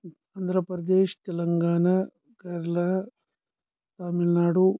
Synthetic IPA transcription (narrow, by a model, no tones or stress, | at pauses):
aːnd̪ʱɾɐpɾɐd̪eːʂt̪ɛlɐŋɡaːɳɐ | ɡɐɾlɐɦ | t̪aːmilnaːɽu